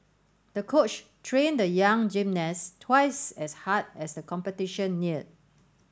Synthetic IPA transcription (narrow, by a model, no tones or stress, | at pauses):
d̥əkʰot͡ʃtʰɹẽndəjãŋd͡ʒĩmnɛstʰwaɪsɛshad̚ɛsdəkʰɔ̃mpətiʃə̃nːiət̚